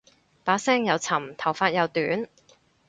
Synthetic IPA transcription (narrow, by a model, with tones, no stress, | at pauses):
paː˨˥sɛː˥ŋjɐ˨˧wt͡sʰɐ˨˩mt̪ʰɐ˨˩wfaː˧t̚jɐ˨˧wt̪yː˨˥n